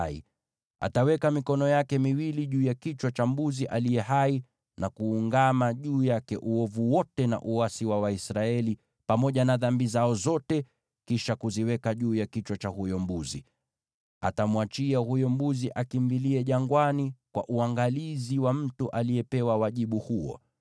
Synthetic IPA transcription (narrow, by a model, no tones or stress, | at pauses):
ḭ | a̰tawɛkamikɔnɔjakɛmiwiliʄuːjakit͡ʃwat͡ʃambuziʔalijɛɦai | nakuːŋɡamaʄuːjakɛʔuɔvuwɔtɛna̰ʔuasiwawaisɾaɛli | pamɔʄanaðambizaɔzɔtɛ | kiʃakuziwɛkaʄuːjakit͡ʃwat͡ʃahujɔmbuzḭ | a̰tamwat͡ʃiahujɔmbuziʔakimbiliɛʄaŋɡwanikwa̰ʔuaŋɡaliziwam̩tuʔaliɛpɛwawaʄiɓuhuɔ̰